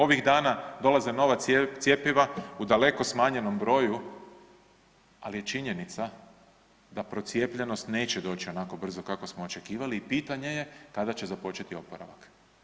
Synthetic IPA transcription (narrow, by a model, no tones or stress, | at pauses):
o̞ʋiɣd̪aːnad̪o̞lazeno̞ʋat̪sʲje̞piʋaud̪ale̞ko̞smaːɲe̞no̞mbɾo̞ːju | a̰lije̞t͡ʃiɲe̞nit̪sa | d̪apɾo̞t̪sje̞ːpʎeno̞st̪ne̞ːt͡ɕed̪o̞ːt͡ʃio̞nako̞br̩zo̞kako̞smoot͡ʃe̞kiːʋaliːpiːt̪aɲe̞jekad̪at͡ɕe̞zapo̞t͡ʃe̞t̪io̞poɾa̰ʋak